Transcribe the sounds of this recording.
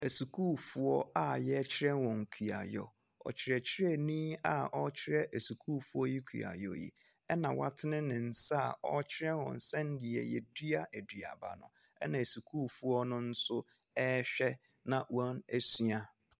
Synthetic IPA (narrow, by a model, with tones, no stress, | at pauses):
e˨su˨kʰuː˦fu˦ɔ˦a˦jɛ˦t͡ɕʰɪ˦ɾɛ˦nwɔ̃˨ŋ̩˨kʰi˨a̰˨jɔ̰˨ | ɔ̰˨t͡ɕʰɪ˨ɾɛ˨t͡ɕʰɪ˦ɾɛ˦˨nĩ˦a˦ʔɔ˦t͡ɕʰɪ˦ɾɛ˦ʔe˨su˨kʰu˦fu˦ɔ˦ji˦kʰṵ˨a̰˨jɔ̰˨jḭ˨ | ɛ˦nã˨wa̰˦tʰɪ˦nɪ̃˦nɪ̃˨n̩˨sa˦a˨ɔ˦t͡ɕʰɪ˦ɾɛ̃˦nwɔ̰̃˨n̩˨sɛ̃˦n̩˦dɪ˨ɛ̰˨jɛ˨di˦a˦ʔæ˨dɥa̰˨ba̰˨nʊ̰̃˨ | ɛ˦nã˨e˨su˨kʰuː˦˨fu˦ɔ˦nʊ̃˦n̩˦sʊ˦ | ɛ˦ɕᶣɛ˦ | nã˨wã˦nɛ˦sɥa˦